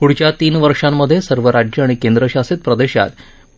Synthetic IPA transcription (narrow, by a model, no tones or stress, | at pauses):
puɽ̤t͡ɕjat̪iːnʋəɾʂamːəd̪ʱːjesəɾʋəɾad͡ʑjəaɽ̃ikend̪ɾəɕasit̪̚pɾəd̪eɕa̰t̪